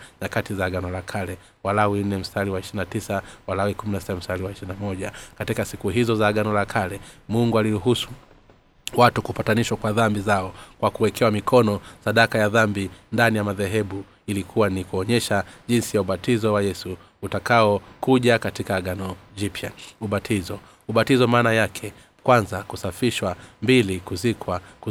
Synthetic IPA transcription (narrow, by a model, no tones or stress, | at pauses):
ɲakatizaːɠanɔlakʰalɛ | walawin̩nːɛm̩staliwaiʃiɾinatisawalawikuminasi̥tam̩staliwaiʃiɾinamɔʄakatikasikuɦizɔzaːɡanɔlakʰalɛmuŋɡualiɾuɦusu̥ | watukupataniʃwakwaðambizaɔkwakuwɛkʰɛwamikʰɔnɔsaɗakajaðambindanijamaðɛɦɛɓu | ilikʰuwanikuɔɲɛʃaʄinsijauɓatizɔwajɛsu | utakaɔkuʄakatikaːɠanɔʄipjauɓatʰizɔ | uɓatizɔmaːnajakʰɛ | kwanzakusafiʃwambilikuzikwak